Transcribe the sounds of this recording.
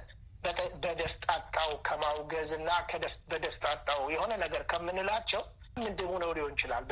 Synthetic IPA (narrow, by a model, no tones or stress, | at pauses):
bəbəd̪əft̪ʼat̪ʼːawkʰəmawɡəzɨnːakʰəbəd̪əft̪ʼat̪ʼːawjɛho̞nənəɡəɾkʰəmːɨnɨlat͡ʃːɛw | mːɨnd̪ɨhunəwliho̞nt͡ʃɪla̰lb